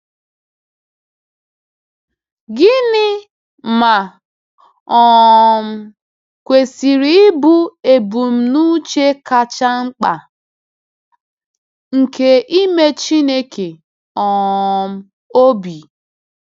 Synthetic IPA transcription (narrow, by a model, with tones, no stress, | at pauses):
ɡɪ˦nɪ˦ | ma˨ | ɔ˨m̩˦ | kʷe˨si˨ɾi˦ɪ˦bu˦e˨bu˨m̩˨nu˦t͡ʃe˦ka˨t͡ʃa˦ŋ͡m̩˦k͡pa̰˨ | ŋ̩˨ke˦ʔi˦me˦t͡ʃi˦ne˦kʰe˨ | ɔ˨m̩˦ | o˦bi˨